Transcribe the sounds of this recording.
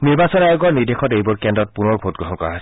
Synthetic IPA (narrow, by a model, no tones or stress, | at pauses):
niɹbasɔnajoɡɔɹniɹdexʰɔtejbɔɹkɛndɔt̚punɔɹbʱot̚ɡɹɔɦɔnkɔɹa̰ɦas